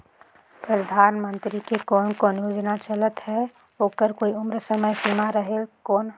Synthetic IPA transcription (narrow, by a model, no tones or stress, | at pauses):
pɾəd̪ʱaːnmənt̪ɾikekɔːnkɔːnjoːd͡ʒnat͡ʃələt̪ɦɛ | oːkəɾkoːiʊmɾəsəməjsimaɾəɦelkɔːn